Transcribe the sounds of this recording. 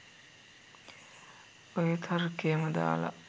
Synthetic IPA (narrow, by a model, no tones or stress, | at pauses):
ojet̪ʰɐɾukeːmɐd̪a̰ːlɐ̰